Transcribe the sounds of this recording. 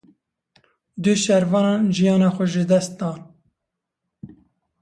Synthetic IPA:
d̪ɨʃɛɾvɑːnɑːnʒijɑːnɑːxʷɛʒɨd̪ɛst̪̚d̪ɑːn

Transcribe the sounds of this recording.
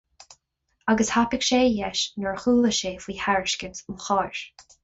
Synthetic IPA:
aɡəshapɪkʃeːjɛʃnəɹxuːləʃeːfiːhaɹɪʃkəsəlxɑːɹ

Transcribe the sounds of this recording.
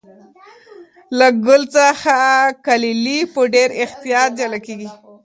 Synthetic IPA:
laɡʊlt͡səxakalilipəɖeɾɪxt̪ijɑt̪̚d͡ʒalakeɡi

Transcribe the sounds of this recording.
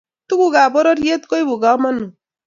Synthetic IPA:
t̪uɡuɡabɔɾʌɾjet̪kojbʱuɡamanu

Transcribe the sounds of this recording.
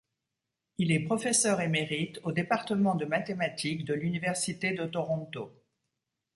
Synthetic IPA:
ilɛpχɔfɛsœʁemeʁit̪od̪epaʁt̪əmɑ̃d̪əmat̪emat̪ʰikd̪əlynivɛʁsit̪ed̪ət̪ɔʁɔ̃t̪o

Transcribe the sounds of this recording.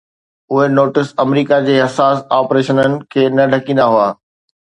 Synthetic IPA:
ʊɦenoːʈɪsɐmɾiːkad͡ʑeːɦɐsaːsaːpɾeːʃənənɪ̆kʰeːnɐɖʱɐkĩːnd̪aɦʊaː

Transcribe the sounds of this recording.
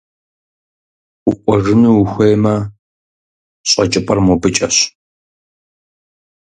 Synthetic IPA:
ʊqʷʼɔʒɨnuxʷeːmɐ | ɕʼɐt͡ʃʼɪpʼɐrmɔbɨt͡ʃʼɐɕ

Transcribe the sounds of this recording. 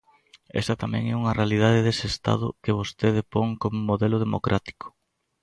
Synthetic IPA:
ɛ̰sɐt̪amɛ̰̃ŋɛuŋɐrealið̞að̞ɪðesɪest̪a̰ðʊkeβ̞ost̪eðepoŋkomʊmoðɛlʊð̞emo̰kɾʔat̪i̥kʊ̥

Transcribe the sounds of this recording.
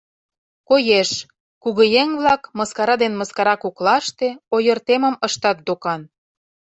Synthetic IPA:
kojeʃ | kuɣɤ̆jeŋβlɑkmɤskɑɾɑd̪enmɤskɑɾɑkuklɑʃt̪eojə̆rt̪emə̆məʃt̪ɑt̪̚d̪okɑn

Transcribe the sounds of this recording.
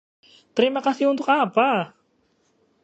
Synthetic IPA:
t̪əɾimakasiunt̪ʊkapa

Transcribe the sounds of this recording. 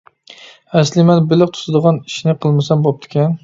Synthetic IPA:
æslɪmɛnbɪlɪq̚t̪ʰʊ̥sɨd̪əʁɑniʃnɪqʰəlˠmɪsɛnbop̚t̪ʰɪ̥kʲɛn

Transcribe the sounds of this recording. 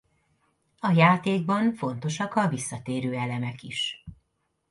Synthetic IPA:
ɒjaːt̪eːɡ̚bɒɱfo̞n̪t̪o̞ʃɒkɒvisːɒt̪eːɾøːɛlɛmɛkiʃ

